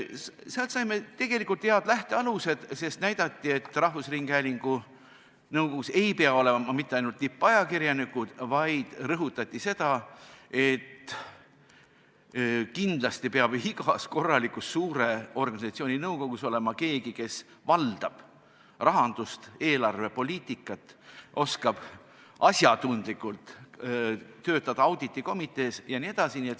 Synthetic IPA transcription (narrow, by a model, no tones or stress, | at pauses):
seɑlt̪sɑjme̞t̪e̞ɡ̥e̞likːˑult̪heɑd̪læht̪e̞ɑluse̞d̪̥se̞st̪næjd̪̥ɑt̪ˑːie̞t̪ːˑrɑhvusriŋɡ̥hæːliŋɡ̥u | nɤwko̞ɡuse̞jpeɑo̞le̞mɑmit̪ːˑeɑjnult̪ːipːˑɑjɑkirjɑnikːud̪̥vɑjd̪̥rɤɦut̪ːˑɑt̪ʲːˑise̞d̪̥ɑe̞t̪ː | kind̪̥lɑst̪ipeɑb̥iɡɑsko̞rːɑlikˑusːuːɾe̞o̞rɡɑnisɑt̪sio̞ːnʲinɤwko̞ɡ̥uso̞le̞mɑke̞ːɡike̞s | vɑld̪̥ɑb̥ | rɑɦɑnd̪̥ust̪e̞ːlɑrve̞po̞lʲiːt̪ˑikːˑɑt̪ːˑʔo̞skɑb̥ | ʔɑsjɑt̪und̪̥likːˑult̪ | t̪ø̞ːt̪ːˑɑd̪ɑɑwd̪̥it̪ːˑiko̞mit̪ːˑe̞ːsjɑnie̞d̪̥ɑsiniet̪ːˑ